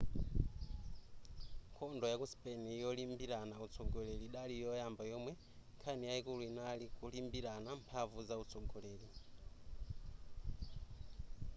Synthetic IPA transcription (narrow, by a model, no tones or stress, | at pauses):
ŋkʰɔndɔjakuspɛniːjɔlimbiɾanaut͡sʰɔɡɔleliɗalijɔjambajɔmwɛ | ŋkʰanijaikuluinalikulimbiɾanampʰavuzaut͡sʰɔɡɔleːli